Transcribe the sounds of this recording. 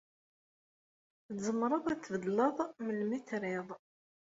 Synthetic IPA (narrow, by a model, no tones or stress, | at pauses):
zəmːɾˤəðˤæt͡sːvəd̪ləðˤməlmiθɾɪðˤ